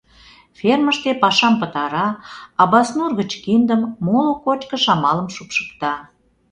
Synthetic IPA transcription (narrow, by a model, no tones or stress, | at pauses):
fʲerməʃt̪epɑʃɑmpət̪ɑɾɑɑbɑsnurɣət͡ɕkind̪əmːolokot͡ɕkə̆ʃɑmɑləmʃupʃə̥k̚t̪ɑ